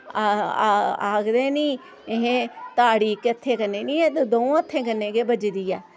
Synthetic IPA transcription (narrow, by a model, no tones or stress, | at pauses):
aːɡd̪ẽːnĩː | ɦẽːt̪aːɽiːkət̪ʰːeːkənːeːnĩːɛːt̪ed̪oũət̪ʰːẽːkənːẽːɡeːbəd͡ʒd̪iːɛː